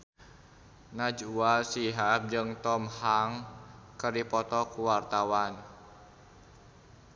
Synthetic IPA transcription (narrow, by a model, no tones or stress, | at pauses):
nad͡ʒuasiɦap̚d͡ʒɨŋt̪ɔmhaŋkərdipɔt̪ɔkuwart̪awan